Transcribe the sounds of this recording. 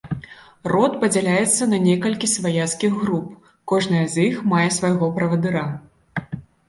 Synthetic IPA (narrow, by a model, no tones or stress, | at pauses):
rɔt̪pɐd͡zʲalʲajɛt̪sːɐnɐnʲɛkɐlʲkʲisvajat̪skʲiɣɣɾup | kɔʐnɐjɐzʲjixmajɛsvajɣɔpɾɐvɐd̪ɨɾa